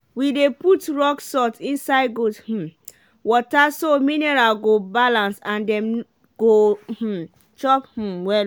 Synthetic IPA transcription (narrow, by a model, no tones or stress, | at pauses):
wideputɹɔksɔtĩnsaɪd̚ɡodh̩ | wɔtasominɛɹalɡobalãnsãndɛ̃m | ɡ̥oh̩ | t͡ʃɔph̩wɛ